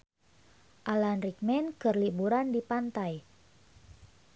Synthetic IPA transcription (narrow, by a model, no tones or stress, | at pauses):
ʔalanrik̚mɛnkərlibuɾandipant̪aj